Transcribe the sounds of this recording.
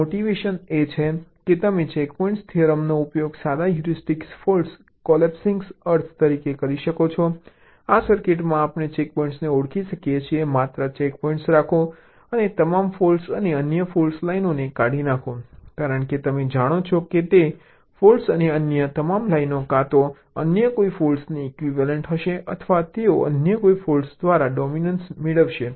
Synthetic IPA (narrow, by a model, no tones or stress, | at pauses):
moʈiʋeʃənet͡ʃʰeket̪əmet͡ʃekpɔĩɳʈst̪ʰiəɾəmnoupjoɡsad̪ajuɾisʈiksfols | kɔlɛpsiŋɡsəɾt̪ʰt̪əɾikekəɾiʃəkot͡ʃʰɔ | asəɾkeʈmãːpnet͡ʃek̚pɔĩɳʈsneʊɽkʰiʃəkijet͡ʃʰiemat̪ɾət͡ʃekpɔĩɳʈsɾakʰõ | ənet̪əmamfolsəneənjəfolslainonekaɽinakʰõkaɾəɳket̪əmed͡ʒaɽ̃ot͡ʃʰoket̪e | folsəneənjət̪əmamlainokat̪o | ənjəkoifolsniɛkʋiʋaləɳʈɦəʃeʔət̪ʰʋat̪eoʔə̰njəkoifolsd̪ʋaɾaɖɔminənsmeɭəʋʃe